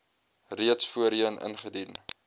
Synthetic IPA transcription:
riətsfuəɾiənʔə̰nχədin

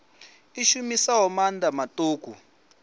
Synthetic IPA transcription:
iʃumisaɦɔmandamatʼoːkʼṵ

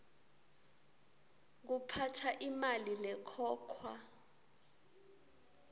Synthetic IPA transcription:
k̬upʰatʰaʔimalilɛkʰɔːkʰwa

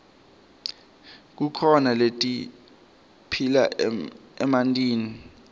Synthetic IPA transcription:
k̬ukʰɔnaletʼi | pʰila | ɛmantʼiːni

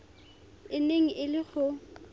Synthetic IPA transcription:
ɪneŋ̩ʔɪlɪχʊ

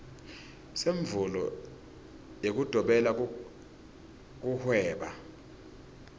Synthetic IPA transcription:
seɱvulɔ̰ | jek̬ud̥ʱɔɓɛla | k̬uhwɛːɓa

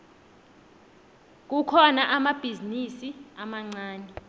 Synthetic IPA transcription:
k̬ukʰɔnaʔamab̥ʱizinisiamaŋ͡ǀaːnɛ

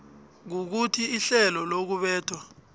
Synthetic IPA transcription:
k̬uk̬utʰiiɬɛlɔlok̬uɓɛːtʰwa

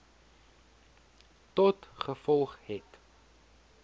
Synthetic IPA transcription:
tɔtχəfɔlˠχhɛt

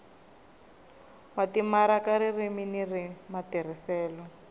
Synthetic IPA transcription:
watimaɾakaɾiriminirimatir̤isɛːlɔ

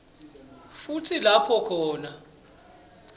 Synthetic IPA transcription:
futʰilapʰɔkʰɔːna

